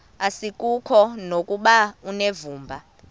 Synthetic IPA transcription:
asikʼukʰɔnokʼuɓaunevuːmbʱa

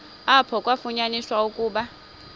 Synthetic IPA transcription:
apʰɔkʼwafuɲaniswaukʼuːɓa

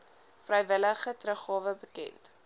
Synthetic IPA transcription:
frəjvələχətrəχɑːvəbəkɛ̰nt

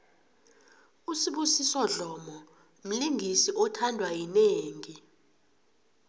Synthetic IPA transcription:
usiɓusisɔɮɔmɔ | m̩liŋʱisiʔɔtʰandʱwajineːŋi

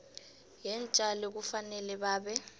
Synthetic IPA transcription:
jɛnt͡ʃʼalek̬ufanɛlɛɓaːɓɛ

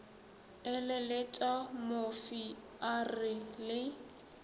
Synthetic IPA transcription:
ɪlɛlɪt͡ʃʼamofi | arɪlɪ

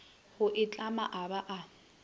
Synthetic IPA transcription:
hʊʔɪt͡ɬʼama̰ʔabaʔa

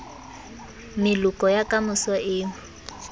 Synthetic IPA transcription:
mɪlʊkʼɔjakʼamʊsɔʔɪː

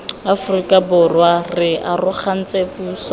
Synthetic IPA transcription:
afrikʼabʊrwarɪʔarʊχan̩t͡sʼepuːsa

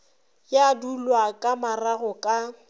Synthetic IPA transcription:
jadulwakʼamaraɣɔkʼa

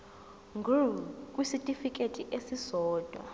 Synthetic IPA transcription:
ŋɡʱukʼwisitʼifik̬ʼetʼiʔesisɔːd̥ʱwa̰

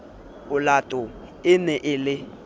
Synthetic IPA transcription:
ʊlatʼʊ | ɪnɛʔɪlɪ

